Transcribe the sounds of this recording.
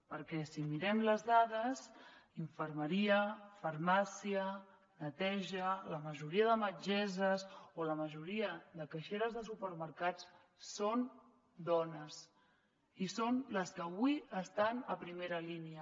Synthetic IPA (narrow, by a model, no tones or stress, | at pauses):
pəɾkɛsimiɾɛmləzðaðəsiɱfəɾməɾiəfəɾmasiə | nət̪ɛʒələməʒuɾiəðəməd͡ʒɛzəzoləməʒuɾiəðəkəʃeɾəzðəsupəɾməɾkat͡s | son | d̪ɔnəs | isonləskəːβuiəst̪anəpɾimeɾəliniə